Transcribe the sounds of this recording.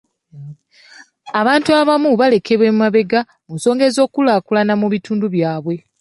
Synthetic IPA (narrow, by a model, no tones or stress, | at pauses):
aβaːntuaβamuβale̞kʰeβwe̞mmaβe̞ɡa | munso̞ːŋɡe̞zo̞ːkulaːkulanamuβitʰuːnduβjaːβwe̞